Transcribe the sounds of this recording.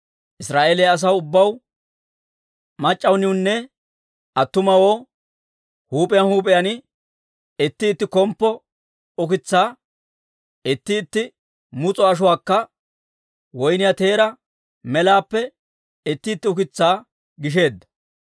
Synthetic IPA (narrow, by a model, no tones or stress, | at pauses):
ʔɪsɾaːʔeːlɛjɐs̬ɐwʊbːɐw | mɐt͡ʃʼːɐwnɪʊnːɛ | ɐt̪ːʊmɐwo̞ː | huːpʼɛjɐnhuːpʼɪjɐnɪ | ɪt̪ːɪːt̪ːɪkɔmpːɔ | ʊkɪt͡sːaː | ɪt̪ːɪːt̪ːɪ | mʊt͡sʼɔɐʃ̬ʊwaːkːɐ | wɔjnɪjɐt̪e̞ːɾɐ | mɛlaːpːɛ | ɪt̪ːɪːt̪ːɪʊkɪt͡sːaː | ɡɪʃ̬e̞ːd̪ːɐ̥